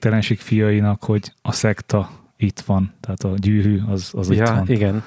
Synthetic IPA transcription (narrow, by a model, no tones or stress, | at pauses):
t̪ɛlɛnʃeːkfijɒjinɒkho̞ɟɒsɛkt̪ɒ | it̪ʋɒnt̪ɛɦaːt̪ɒɟyːɾyːɒzɒzjiɒniɡɛn